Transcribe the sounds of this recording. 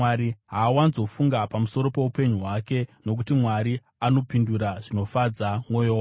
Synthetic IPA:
aɾiɦaːwanzo̞fuŋɡapamuso̞ɾo̞pe̞upe̞ɲuɦwake̞no̞k̬utimwaɾi | ano̞pinduɾaʐino̞fad͡zamwo̞jowa

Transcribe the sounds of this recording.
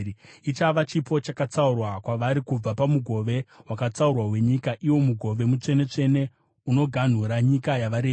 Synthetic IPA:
it͡ʃaʋat͡ʃipo̞t͡ʃakat͡saurwakwaʋaɾikub͡vapamuɡʱo̞ʋe̞wakat͡saurwaɦwe̞ɲikaʔiwo̞muɡʱo̞ʋe̞mut͡ʂe̞ne̞t͡ʂe̞ne̞ | uno̞ɡʱan̤uɾaɲikajaʋaɾe

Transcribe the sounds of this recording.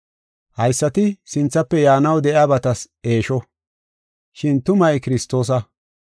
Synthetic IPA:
hɐjsːɐt̪ɪsɪnt͡sːɐpːɛjaːnɐwd̪ɛʔjaːbɐt̪ɐs | e̞ːʃɔ | ʃɪnt̪ʊmɐjkɪɾɪst̪o̞ːs̬ɐ

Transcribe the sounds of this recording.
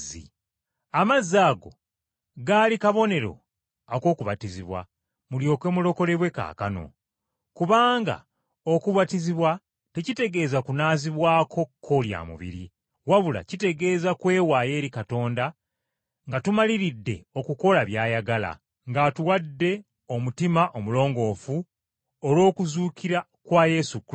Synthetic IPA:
ḭ | amazːaːɡo̞ | ɡaːlikaβo̞ne̞ɾo̞̰ | ako̞ːkuβatiziβwa̰ | muljo̞ːkwe̞ːmulo̞ko̞le̞βwe̞ka̰ːkano̞̰ | kuβaːŋɡa̰ | o̞kuβatiziβwa | tecite̞ɡe̞ːzakunaːziβwaːkʰo̞kʰːo̞lja̰ːmṵβḭɾḭ | waβula̰cite̞ɡe̞ːzakwe̞ːwaːje̞ːɾikato̞ːnda | ŋɡatumaliɾidːe̞o̞kuko̞laβjaːjaɡala̰ | ŋɡatuwadːe̞ | o̞mutimaʔo̞mulo̞ːŋɡo̞ːfu | olwo̞ːkuzuːkiɾa | kwaːje̞suk

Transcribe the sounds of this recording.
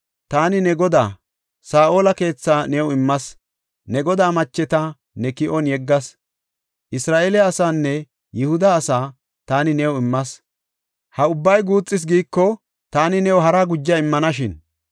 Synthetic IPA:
t̪aːnɪnɛɡɔd̪aː | saːʔo̞ːlɐke̞ːt͡sːaːnɛwʊɪmːɐs | nɛɡɔd̪aːmɐt͡ʃːɛt̪ɐ | nɛkɪʔɔnjɛɡːɐs | ʔɪsɾaːʔeːlɪːsaːnːɛ | jɪhʊd̪ɐːsaː | t̪aːnɪnɛwʊɪmːɐs | hɐʊbːɐjɡuːt͡sʼːɪs̬ɡiːkːɔ | t̪aːnɪnɛwɦɐɾaɡʊd͡ʒːɐɪmːɐnɐʃɪn

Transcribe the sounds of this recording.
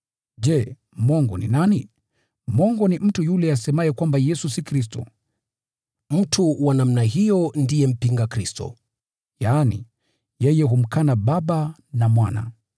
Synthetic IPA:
ʄɛ | mwɔŋɡɔ̰nḭnani | mwɔŋɡɔnim̩tujulɛasɛmajɛkwambajɛsusikɾis̬tɔ̰ | m̩tʰuwanam̩naɦijɔndijɛm̩piŋɡakɾistɔ̰ | jaːnḭ | jɛjɛɦum̩kanaɓaɓanamwana̰

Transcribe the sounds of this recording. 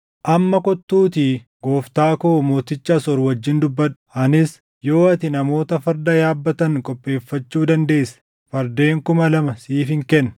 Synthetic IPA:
ʔɐmːɐkɔt̪ːuːt̪iɡo̞ːft̪aːkoːmo̞ːt̪ɪt͡ʃːɐsɔɾwɐd͡ʒːɪnd̪ʊbːɐᶑʊ̥ʔɐnɪs | jo̞ːɐt̪ɪnɐmo̞ːt̪ɐfɐɾd̪ɐjaːbːɐt̪ɐŋkʼɔpʼːe̞ːfːɐt͡ʃːuːd̪ɐnd̪e̞ːsːɐ̥ | fɐɾd̪e̞ːŋkʊmɐlɐmɐsiːfɪŋkɛnː

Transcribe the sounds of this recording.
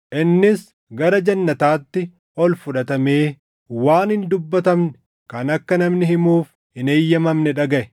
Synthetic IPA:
ʔɪnːɪs | ɡɐɾɐd͡ʒɐnːɐt̪aːt̪ːɪ | ɔlfʊᶑɐt̪ɐme̞ː | waːnɪnd̪ʊbːɐt̪ɐmnɛ̥ | kɐnɐkːɐnɐmnɪɦɪmuːf | hɪne̞ːjːɐmɐmnɛᶑɐɡɐʔɛ

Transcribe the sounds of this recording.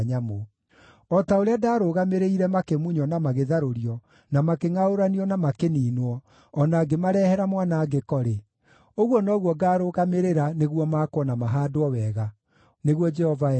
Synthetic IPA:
ɲamo | ɔtaoɾeadaːɾoɣameɾeiɾɛmakemuɲɔnamaɣeðaɾoɾiɔ | namakeŋaoɾaniɔnamakeniːnwɔː | naːɡemaɾɛhɛɾamwaːnaːɡekɔɾe | oɣwɔnɔɣwɔɡaːɾoɣameɾeɾaneɣwɔmaːkwɔnamaɦaːdoɔwɛːɣa | neɣwɔd͡ʒɛhɔva

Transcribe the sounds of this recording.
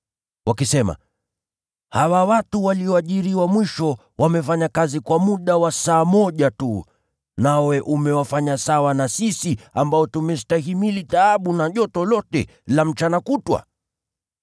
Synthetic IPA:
wakisɛma̰ | hawawatuwaliɔaʄiɾiwamwiʃɔ | wamɛfaɲakazikwamuɗawasaːmɔʄatu | nawɛʔumɛwafaɲasawanasisiambaɔtumɛstahimilitaaɓunaʄɔtɔlɔtɛ̰ | lam̩t͡ʃanakutwa̰

